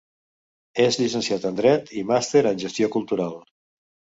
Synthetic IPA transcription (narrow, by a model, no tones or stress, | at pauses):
ezʎisənsiat̪ənd̪ɾɛt̪ʰimast̪eɾənʒəst̪iokulˠt̪uɾalˠ